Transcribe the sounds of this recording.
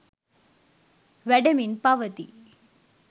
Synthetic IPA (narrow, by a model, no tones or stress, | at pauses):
ʋɛɖɐminpaʋɐt̪ḭ